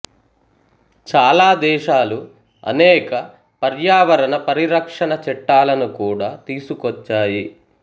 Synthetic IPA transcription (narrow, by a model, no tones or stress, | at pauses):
t͡ʃaːlaːd̪ɛːʂaːlu | ɐ̰nɛːkɐ | pɐɾjaːʋɐɾɐnɐpɐɾiɾɐkʂɐɳɐt͡ʃɛʈːaːlɐnukuːɽaːt̪iːsukɔt͡ʃːaːji